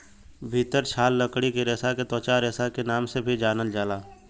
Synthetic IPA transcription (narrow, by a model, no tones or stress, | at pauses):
bʱiːt̪əɾt͡ʃʰaːlːəkɽikeɾeːsaket̪ɔːt͡ʃaɾeːsakenaːmsebʱid͡ʒaːnəld͡ʒaːlaː